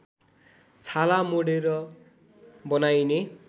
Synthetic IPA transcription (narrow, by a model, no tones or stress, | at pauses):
t͡sʰalamoɽeɾʌ | bʌnajne